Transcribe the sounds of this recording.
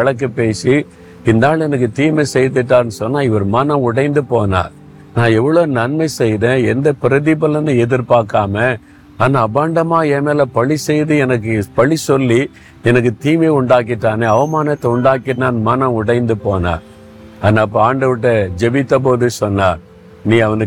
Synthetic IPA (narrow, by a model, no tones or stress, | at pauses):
ɐɭɐk̬ːɯpeːsi | ɪnd̪aːlɛnɐk̬ːɯt̪iːmɐɪsɛjt̪ːɯʈːaːɾnːɯsɔnːaːɪʋɐɾmɐnɐ̃ʊɽɐɪnd̪ɯpoːna̰ː | nãːɛʋːɐɭoːnɐnmɐɪsɛjɾẽːɛnd̪ɐpɪɾɐðɪpɐlːɐnɯɛðɪɾpaːɾkːaːmɐ | aːnaːbaːɳɖɐmaːeːmeːlɐpɐɭisɛjðɯɛnɐk̬ːɯpɐɭisɔlːi | ɛnɐk̬ːɯt̪iːmeʊɳɖaːk̬ːɪʈːaːneːɐʋɐmaːnɐt̪ːɛʊɳɖaːkːɪnaːnmɐnɐ̃ʊɽɐɪnd̪ɯpoːna̰ː | aːnaːɐp̬ːɐaːɳɖɐʋɪʈːɐd͡ʒɛbɪt̪ːɐpoːðɯsɔnːaː | nĩːɐʋɐnɯ